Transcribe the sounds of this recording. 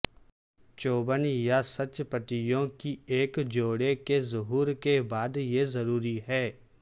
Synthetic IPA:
t͡ʃoːbənjasət͡ʃpəʈ̪ɪjõkieːkd͡ʒoːɽekezʊɦuːɾkebaːd̪jezəɾuːɾiɦɛː

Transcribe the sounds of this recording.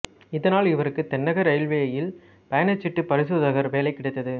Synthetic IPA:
ɪðɐnaːlɪʋɐɾɯkːɯt̪ːɛnːɐɣɐɾɐɪlʋejɐjɪl | pɐjɐnɐt͡ʃːɪʈːɯpɐɾɪs̬ɯðɐɣɐɾʋeːlɐɪkːɪɽɐɪt̪ːɐðɯ

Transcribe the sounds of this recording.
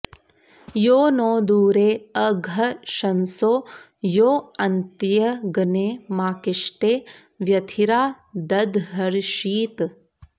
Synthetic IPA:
joːnoːd̪uːɾeːɐɡʱɐʃɐnsoː | joːɐnt̪jɐɡɐneːmaːkɪʃʈeː | ʋjɐt̪ʰiɾaː | d̪ɐd̪ɦɐɾʃiːt̪

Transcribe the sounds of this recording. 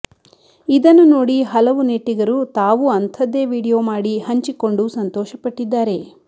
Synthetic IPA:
id̪ɐnːunoːɽiɦɐlɐʋuneʈːiɡɐɾut̪aːʋuɐnt̪ʰɐd̪ːe̞ːʋiːɽijoːmaːɽihɐɲt͡ʃiko̞ɳɖusɐnt̪ɔːʃɐpɐʈːid̪ːaːɾe̞

